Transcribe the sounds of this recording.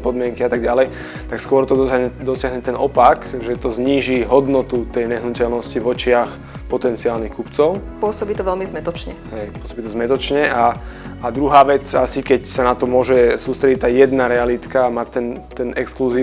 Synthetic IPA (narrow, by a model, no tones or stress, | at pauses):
pɔd̪mɪɛŋkiat̪aɡɟalɛj | t̪akskʊɔɾt̪ɔd̪ɔd̪ɔsɪaɦɲɛt̪ɛnɔpakʒɛt̪ɔzɲiːʒiɦɔd̪nɔt̪ut̪ɛjɲɛɦnucɛlnɔscivɔt͡ʃɪax | pɔt̪ɛnt͡siaːlnixkupt͡sɔʊpʊɔsɔbiːt̪ɔʋɛlmizmɛt̪ɔt͡ʃɲɛɦɛjpʊɔsɔbiːt̪ɔzmɛt̪ɔt͡ʃɲɛaad̪ɾuɦaːʋɛt͡sasikɛcsanat̪ɔmʊɔʒɛsuːst̪ɾɛɟit̪ːaːjɛd̪naɾɛalit̪kaːmat̪ɛnt̪ɛnɛkskluziː